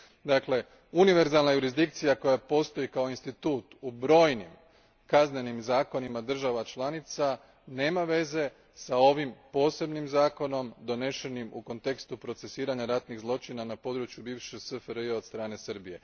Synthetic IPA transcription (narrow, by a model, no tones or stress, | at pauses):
d̪akle̞ | uniʋe̞ɾzalˠnajuɾizd̪ikt̪sijako̞japo̞st̪o̞jikao̞inst̪it̪uːt̪ubɾo̞ːjnim | kazne̞nimzaːko̞nimad̪r̩ʒaʋat͡ʃlˠanit̪sa | ne̞ːmaʋe̞ze̞ | sao̞ʋimpo̞ːse̞bnimzaːko̞no̞md̪o̞ne̞ʃe̞nimuko̞nt̪e̞kst̪upɾo̞t̪se̞siːɾaɲaɾat̪niɣzlˠo̞t͡ʃinanapo̞d̪ɾut͡ʃjubiːʋʃesɨfɾejod̪st̪ɾaːne̞sɾbije̞